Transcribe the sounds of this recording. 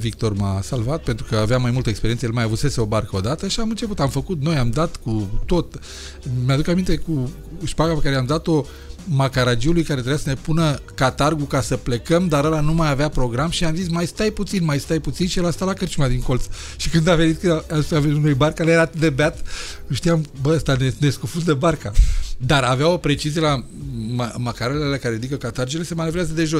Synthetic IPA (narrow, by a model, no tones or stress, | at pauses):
vik̚t̪o̞rmasalvat̪̚pe̞nt̪ɾukəaveamajmult̪əekspeɾiensəjelmajavut̪se̞seobarkəo̞d̪at̪əʃiamɨnt͡ʃe̞put̪amfəkut̪nojamd̪at̪kut̪o̞t̪ | mead̪ukamint̪e̞ku | ʃpaɡape̞kaɾeamd̪at̪o̞ | makaɾad͡ʒiulujkaɾeɾejasəne̞punəkat̪arɡukasəple̞kəmd̪aɾəlanumajaveapɾo̞ɡɾamʃiamzis̬majst̪ajput̪sinmajst̪ajput̪sinʃijelast̪alakərt͡ʃumad̪iŋko̞lt̪s | ʃikɨnd̪ave̞nit̪̚kɨaaisaveit̪unejbarkalejeɾaːt̪ɨt̪d̪e̞beat̪ʃt̪ijambəəst̪aneneskufut̪̬d̪e̞barkad̪aɾaveao̞pɾe̞t͡ʃizjela | mamakaɾalealekaɾeid̪ikəkat̪aɾd͡ʒile̞semanevɾeazəd̪e̞ʒo